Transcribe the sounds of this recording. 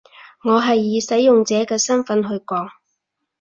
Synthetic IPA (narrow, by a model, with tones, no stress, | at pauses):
ŋɔː˨˧ɦɐ˨jːiː˨˧sɐ˨˥jːʊ˨ŋt͡sɛː˨˧kɛː˧sɐ˥nfɐ˨˥nɦɵ˧ɥkɔː˨˥ŋ